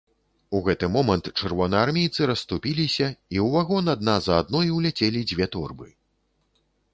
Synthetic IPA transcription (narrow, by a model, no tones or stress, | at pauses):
uɣɛt̪ɨmɔmɐnt̪t͡ʂɨrvɔnɐarmʲejt̪sɨɾɐst̪upʲilʲisʲɐiwvaɣɔnad̪̚nazɐːd̪nɔjwlʲɛt͡sʲelʲid͡zʲvʲɛt̪ɔrbɨ